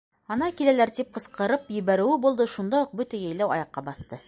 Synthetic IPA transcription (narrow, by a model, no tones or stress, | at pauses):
ɑnɑkilælæɾt̪ip̚qɤ̆sqɤ̆ɾɤpjɵ̆βæɾɘ̆wɘbulˠd̪ɤʃund̪ɑuq̚bɵt̪æjæjlæwɑ̰jɑqːɑbɑθt̪ɤ